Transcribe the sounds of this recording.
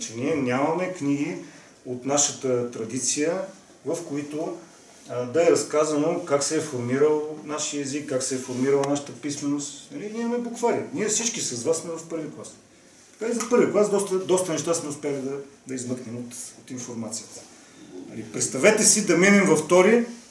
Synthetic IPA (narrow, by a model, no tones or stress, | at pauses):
t͡ʃɛniɛnʲamɐmɛkniɡ̟i | ot̪naʃət̪ət̪ɾɐd̪it̪sijə | vəfkoit̪o | d̪ɐɛɾɐskazɐnokaksɛːfoɾmiɾəlˠnaʃiəɛzikːaksɛɛfoɾmiɾəlˠnaʃə̥t̪əpismɛnost̪nɐlinʲimmɛblˠokvaɾiəniɛfsit͡ʃkisɐzvassmɛvɐfpɤɾviklˠas | t̪ɐ̥kaizɐpɤɾvʲiklˠasd̪ɔst̪əd̪ɔst̪ənɛʃ̬t̪asmɛʊspɛəlʲid̪ɐd̪ɐizmɤknɛmot̪ot̪infoɾmat̪sijət̪ə̥ | nɐ̰lipɾɛt̪st̪ɐvɛt̪ɛsid̪ɐminɛmvɐft̪ɔɾi